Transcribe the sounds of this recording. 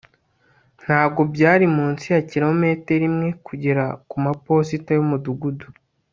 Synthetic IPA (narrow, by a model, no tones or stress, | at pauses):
n̥haːbɡo̞bɟaːɾimuːnsijaciɾoome̞ːte̞ɾimŋe̞kuɟiɾakumapo̞sitajomuduɡudu